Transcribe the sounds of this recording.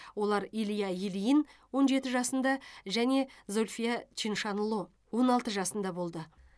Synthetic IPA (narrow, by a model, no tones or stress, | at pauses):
wo̞lˠɑɾilijajilijənwo̞nʒe̞t̪ɪʒɑsənd̪ɑʒæne̞zo̞lʲfʲijat͡ʃinʃɑnlˠo | wo̞nɑlˠt̪əʒɑsənd̪ɑbo̞lˠd̪ə